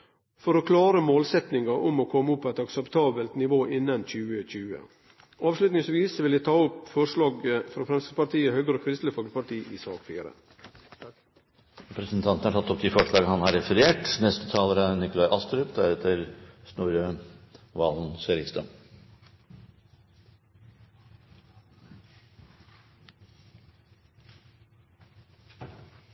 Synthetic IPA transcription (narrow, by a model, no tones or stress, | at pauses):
fɔɾɔkʰlɑːɾəmoːlsɛt̪nɪŋɑʔʊmɔkʰɔmːəʊpʰːoɛt̪ɑksəpt̪ʰɑːbəlt̪nɪʋoːʔɪnːɑnc͡çʉːəc͡çʉːə̰ | ɑːʋʂlʉt̪nɪŋsʋiːsʋɪld̪æt̪ʰɑːʊpfɔʂɭɑːɡəfɾɑfɾɛmst̪əd̪pɑɾʈ̪iːəhœːɡəɾəkʰɾɪst̪ləfɔlkəpɑʈiːʔɪsɑːkfḭːɾə̰ | ɾɛpɾəsnt̪ʰɑnt̪ənhɑɾʈʰɑt̪ːɔpd̪ɪfɔʂɭɑːɡənhɑnhɑɾɛfəɾeːʈnɛst̪ət̪ʰɑːləɾənɪkʊlɑɪʔɑst̪ɾʉpd̪æɾɛːt̪ʰəɾsnuːɾønʋɑːlnsɛɾɪst̪ə